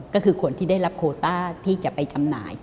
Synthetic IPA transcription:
kɔː˥˩kʰɯː˧kʰo˧nt̪ʰiː˥˩da˥˩jɾa˦p̚kʰoː˧t̪aː˥˩t̪ʰiː˥˩t͡ɕa˨˩ʔpa˧jt͡ɕa˧mna̰ː˩˦j

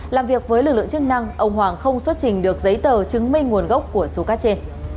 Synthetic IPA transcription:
laː˨˩mvi˨˩ək̚vəː˨˦jlɨ˨˩k̚lɨ̰˧˨ŋt͡ɕɨ˦˥k̚na˧ŋʔə˧wŋ͡mɦwaː˨˩ŋxə˧wŋ͡mswə˦˥t̚t͡ɕï˨˩ŋ̟ɗɨ˨˩ək̚zə˨˦jt̪əː˨˩t͡ɕɨ˨˦ŋmï˧ŋŋu˨˩ənɣə˦˥wk͡p̚ku˧˩əso˨˦kaː˨˦t͡ɕe˧n

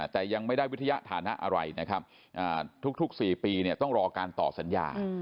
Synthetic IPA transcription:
t̪ɛː˨˩ja˧ŋma˥˩jda˥˩wt̪ʰːa˧ja˦˥ʔt̪ʰaː˩˦na˦˥ʔa˧ɾa˧jna˦˥kʰɾa˦˥p̚ | ʔaː˨˩t̪ʰu˦˥k̚t̪ʰu˦˥k̚siː˨˩piː˧ni˥˩ɐt̪ɔ˥˩ŋɾɔː˧kaː˧nt̪ɔː˨˩p̚sa˩˦nja̰ː˧

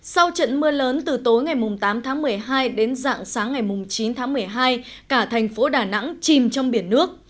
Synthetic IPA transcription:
sa˧wt͡ɕə̰˧˨nmɨ˧ələː˨˦nt̪ɨ˨˩t̪o˨˦jŋa˨˩jmʊ˨˩ŋ͡mt̪aː˨˦mt̪ʰaː˨˦ŋmɨ˨˩əjɦaː˧jɗe˨˦nza̰ː˧˨ŋsaː˨˦ŋːa˨˩jmʊ˨˩ŋ͡mt͡ɕi˨˦nt̪ʰaː˨˦ŋmɨ˨˩əjɦaː˧j | kaː˧˩t̪ʰɛ˨˩jŋ̟fo˨˦ɗaː˨˩na̰˧˥ŋt͡ɕi˨˩mt͡ɕɔ˧wŋ͡mɓi˧˩ənːɨ˦˥ək̚

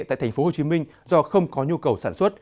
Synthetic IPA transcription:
ta̰ː˧˨t̪ʰa˨˩jfo˨˦ho˨˩t͡ɕi˨˦mï˧ŋ̟ | zɔ˧xə˧wŋ͡mkɔ˨˦ɲu˧kə˨˩wsaː˧˩nswə˦˥t̚

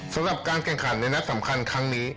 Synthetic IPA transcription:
sa˨˩˦mɾa˨˩p̚kaː˧nkʰɛ˨˩ŋkʰa˩˦nːa˧jna˦˥t̪̚sa˩˦mkʰa˧nkʰa˦˥ŋniː˦˥

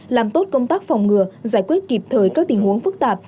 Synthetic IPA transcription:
laː˨˩mt̪o˦˥t̚kə˧wŋ͡mt̪aː˦˥k̚fɔ˨˩wŋ͡mŋɨ˨˧˩əzaː˧˩jkwi˦˥ət̚ki˨˩p̚t̪ʰəː˨˩jkaː˦˥k̚t̪i˨˩ŋ̟hu˨˦əŋfɨ˦˥k̚t̪aː˨˩p̚

